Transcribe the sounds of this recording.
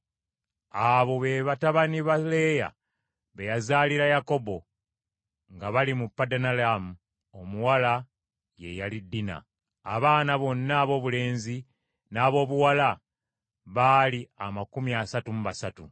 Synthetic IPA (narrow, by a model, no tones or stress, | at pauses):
aβo̞βeβataβaniβale̞ja̰ | βejazaːliɾajako̞bo̞ | ŋɡaβalimupːadanalamu | omuwala | je̞̰jalidːina̰ | a̰βaːnaβo̞nːaːβo̞ːβule̞ːnzi | naːβo̞ːβuwala | βaliamakumiasatumuβasatu